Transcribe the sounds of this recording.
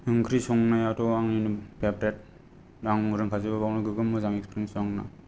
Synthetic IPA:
ɯŋkʰɾisɔŋnajatɔwaŋinupʰepɾet̚ | ɾaŋuɾɯŋkʰazɯbɯbawnɯɡɯɡɯmːɯzaŋekspɾiŋsɔŋna̰

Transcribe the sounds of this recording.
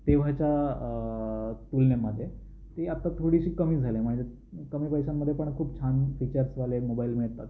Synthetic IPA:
t̪eʋ̤at͡ɕja | t̪ulnjaməd̪ʱːje | t̪eat̪at̪ʰoɽiɕiːkəmiːd͡zʱalem̤əɳd͡ʑe | kəmiːpəjsamːəd̪ʱjepəɳkʰuːp̚t͡ɕʰanfit͡ɕəɾsʋalemobailmiɭt̪at̪̚

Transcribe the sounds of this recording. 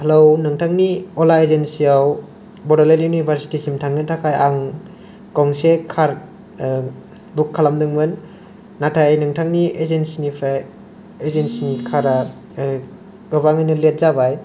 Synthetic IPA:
hɐlownɯŋtʰaŋniolaezensiaw | bɔɾaleljunibʱaɾsi̥tisimtʰaŋnɯntʰakʰajaŋ | kɔŋsekʰaɾ | bukʰːalamdɯŋmɯnː | atʰajnɯŋtʰaŋniezensinipʰɾaj | ezensinikʰaɾa | ɡɯbaŋajnɯlet̚zabaj

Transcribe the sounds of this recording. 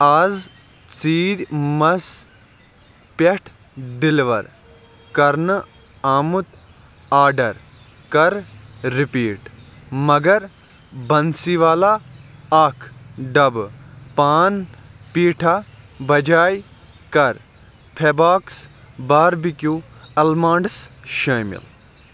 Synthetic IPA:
aːz | t͡siːɾʲmɐs | peʈʰ | ɖiliʋɐ̰ɾ | kɐɾnɨ | aːmut̪ | aːɖɐɾ | kɐɾɾipiːʈmɐɡɐɾ | bɐnsiːʋaːlaɐkʰɖɐbpaːnpiːʈʰabɐd͡ʒaːj | kɐɾ | pʰebaːks | baːɾbikjuɐlmãːɳɖsʃɐːmḭl

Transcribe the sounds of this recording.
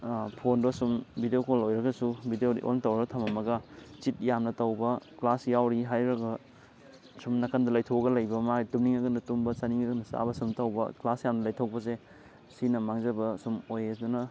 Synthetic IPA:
pʰonbɐsumbidejokolojɾɐɡɐsubidejoɾḭʔo̰ntɐwɾɾɡɐtʰɐmɐmɐɡɐt͡ʃit̚jamnɐtɐwbɐklasjawɾiɦajɾɐɡɐ | sumnɐkʰandɐlajtʰoɡɐlɐjbɐmaɡitumniŋɐɡɐnɐtumbɐsɐniŋɐɡɐnɐsa̰bɐsumtɐwbɐ̰klasjamnɐlɐjtʰok̚pɐse | sinɐmaŋzɐbɐsumojedunɐ

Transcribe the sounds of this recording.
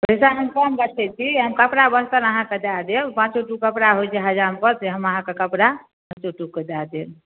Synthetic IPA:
pəɛsaɦəmkəmbət͡ʃʰɛt͡ʃʰiɦəmkəpɽabəst̪ənəɦãked̪ad̪elpãt͡ʃoʈukəpɾaɦojt͡ʃʰeɦəd͡ʒampəɾt̪eɦəməɦãkekəpɽa | pãt͡ʃoʈuked̪ad̪el

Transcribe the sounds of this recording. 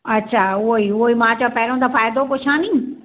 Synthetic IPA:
ɐtːʃʰaːʊɦoiʊɦoimãːt͡ɕapɛɦɾõd̪afaːjd̪okoʃʰaːni

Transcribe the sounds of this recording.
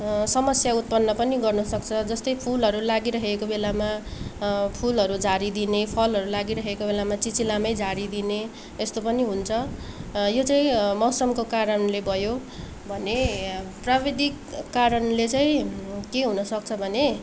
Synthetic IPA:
sʌmʌsjaut̪̚pʌnːʌpʌniɡʌrnʌsʌk̚t͡sʰʌd͡zʌst̪ʌjpʰulɦʌɾulaɡiɾʌɦekobelama | pʰulɦʌɾud͡zaɾid̪inepʰʌlɦʌɾulaɡiɾʌɦekobelamat͡sit͡silamʌjd͡zaɾid̪ine | est̪opʌniɦunt͡sʰʌ | jot͡saĩmʌwsʌmkokaɾʌnlebʱʌjo | bʱʌneprabid̪ʱikːaɾʌnlet͡saĩkeɦunʌsʌk̚t͡sʰʌbʱʌne

